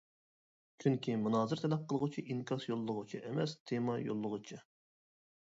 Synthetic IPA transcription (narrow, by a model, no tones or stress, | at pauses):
kʲʰyŋkʲʰimunɑːzɨɾt̪ʰɛlɛp̚qʰəlˠʁʊt͡ʃʰiʔiŋkʲʰɑsjolˠːəʁʊt͡ʃʰiʔemɛst̪ʰemɑjo̰lˠːəʁʊt͡ʃʰɨ